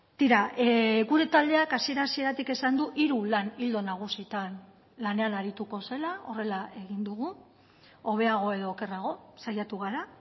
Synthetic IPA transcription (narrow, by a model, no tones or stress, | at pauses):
t̪iɾaʔeɣuɾe̞t̪ald̪e̞akasie̞ɾasie̞ɾat̪ike̞sand̪uʔiɾulanild̪o̞naɣ̞usit̪an | lane̞anaɾit̪uko̞se̞lao̞re̞laʔe̞ɣ̞ind̪uɣu | o̞β̞e̞aɣ̞o̞e̞ðo̞ːke̞raɣ̞o̞sajat̪uɣ̞aɾa